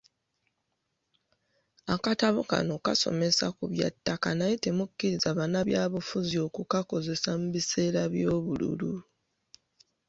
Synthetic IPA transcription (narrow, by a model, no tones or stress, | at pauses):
akataβoka̰no̞kaso̞̰me̞sakuβja̰tːakanajitemukːiɾizaβanaβjaːβufuzio̞kukako̞ze̞samuβise̞ːɾaβjo̞ːβulṵlu